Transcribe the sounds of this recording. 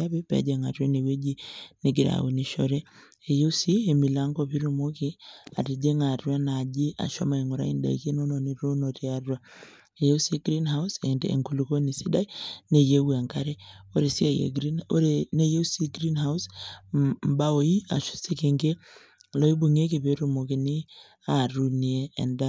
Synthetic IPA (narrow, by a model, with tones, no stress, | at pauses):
a˦be˦pḛ˨˦d͡ʒe˨ŋa̰˨ɾa˦ne˨we˦d͡ʒi˦ne˨ɡi˨ɾa̰˨wu˨ni˨ʃɔ˨ɾeː˦˨ | je˦u˦si˦e˨mi˨la˦ŋɡɔpi˦ɾu˨mo˦ki˦a̰˨ti˨d͡ʒe˦ŋa˨ɾwa˦na˨d͡ʒi˦ʔa̰˨ʃo̰˦ma˨i˨ŋu˨ɾa̰˦i˦nda̰˨i˨ke˦no˦no˨ni˨ɾo˦no˨ti˨a˦rwa˦ | e˨je˦u˦si˦ɡɾi˦nɦa˦usɛ˨ndḛ˨ŋku˨lu˨ko˦ni˨si˦da˦i˦ne˨je˦wi˨a˨ŋka˦ɾe˦o˦ɾe˨si˦a˨jḛ˨ɡɾi˦no˦ɾe˨ne˦je˦u˦si˦ɡɾi˦nɦa˦ws | m˦ba˦o˨i˦a̰˨ʃu̥˦se˦ke˨ŋɡe˦ | lo˦i˦bu˨ŋe˦ki˨pe˦ɾu˨mo˨ki˨ni˦ | a˨ɾu˨ni˨ḛː˦˨nda˦